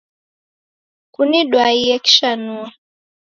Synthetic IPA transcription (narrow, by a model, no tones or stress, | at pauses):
kuniɗwaiɛki̥ʃanua